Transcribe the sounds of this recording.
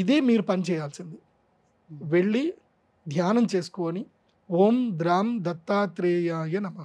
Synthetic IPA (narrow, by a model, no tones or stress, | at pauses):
id̪eːmiːɾupɐnit͡ʃɛːjaːlsind̪i | ʋe̞ɭːi | d̪ʱjaːnɐmt͡ʃe̞ːsu̥koːni | oːmd̪ɾaːmd̪ɐt̪ːaːt̪ɾeːjaːjɐnɐmːɐ